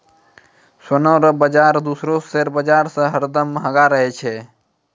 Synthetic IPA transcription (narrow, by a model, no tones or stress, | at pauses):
sənəːɾəbəd͡ʒaːɾd̪uːsɾoseɾbəd͡ʒaːɾsə̃ɦəɾd̪əmɦəɡaɾəɦet͡ʃʰe